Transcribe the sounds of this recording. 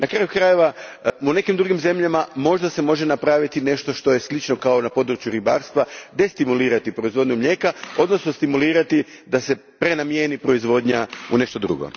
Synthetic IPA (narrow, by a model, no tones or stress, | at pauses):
nʔakɾaːjukɾaje̞ʋaune̞kimd̪ɾuɡimze̞mʎamamo̞ʒd̪ase̞mo̞ʒe̞napɾaʋit̪ine̞ʃt̪o̞ʃt̪o̞je̞slit͡ʃno̞kaonapo̞d̪ɾut͡ʃjuɾiba̰ːɾst̪ʋad̪e̞st̪imuliːɾat̪ipɾo̞izʋo̞d̪ɲumʎe̞kao̞d̪no̞sno̞st̪imuliːɾat̪i | d̪ase̞ | pɾe̞namjenipɾo̞izʋo̞d̪ɲaune̞ʃt̪o̞d̪ɾṵɡo̰